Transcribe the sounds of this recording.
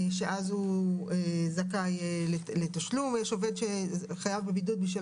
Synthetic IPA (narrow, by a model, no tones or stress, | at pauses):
ʃeʔazhuezakajlet̪aʃlumjeʃove̞d̪ʃeχajavbebidud̪̚biʃ̬vi